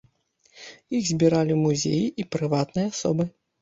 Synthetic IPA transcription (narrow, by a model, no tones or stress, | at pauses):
jixzʲbʲiɾalʲimuzʲḛjiʔipɾɨvat̪nɨjɐasɔ̰bɨ